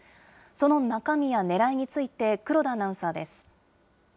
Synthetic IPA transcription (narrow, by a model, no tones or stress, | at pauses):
so̞no̞nakamʲijane̞ɾaiɲ̟it͡sɨit̪e̞kɯ̟ɾo̞d̪anãɯ̃saːd̪e̞sɨ̥